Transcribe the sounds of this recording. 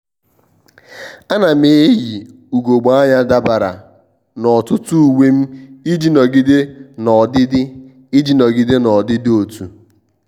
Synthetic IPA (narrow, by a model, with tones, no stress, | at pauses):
a˦na˨me˨e˦ji˨ | u˨ɡo˨ɡ͡ba˦ɲa˦da˦ba˨ɾa̰˨ | nɔ˨tʊ˦tu˦u˨we˦m̩˦i˦d͡ʒi˦nɔ˨ɡɪ˦de˦nɔ˨dɪ˦dɪ˦ | i˦d͡ʒi˦nɔ˨ɡɪ˦de˦nɔ˨dɪ˦dɪ˦o˨tu˨